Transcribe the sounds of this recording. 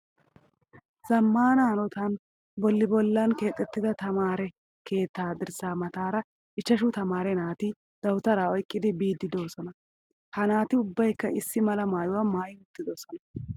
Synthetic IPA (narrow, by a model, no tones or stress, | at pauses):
z̥ɐmːaːnaːnɔt̪ɐn | bɔlːɪbɔlːɐnke̞ːt̪ʼːɛt̪ːɪd̪ɐt̪ɐmaːɾɛ | kʰe̞ːt̪ːaːd̪ɪɾsaːmɐt̪aːɾɐ | ɪt͡ʃːɐʃʊt̪ɐmaːɾɛnaːt̪ɪ | d̪̥ɐwʊt̪ɐɾaːɔjkʼːɪd̪ɪbiːd̪ːɪd̪o̞ːsɔnɐ | hɐnaːt̪ɪʊbːɐjkːɐɪsːɪmɐlɐmaːjʊwɐmaːjɪmʊt̪ːɪd̪o̞ːsɔnɐ